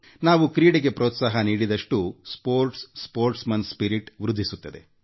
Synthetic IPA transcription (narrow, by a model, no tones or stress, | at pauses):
naːʋukɾiːɽeɡe̞pɾɔːt̪sɐːɦɐniːɽid̪ɐʂʈuspoːɾʈsːpoːɾʈsmɐnspiɾiʈʋɾud̪ʱːisut̪ːɐd̪e̞̰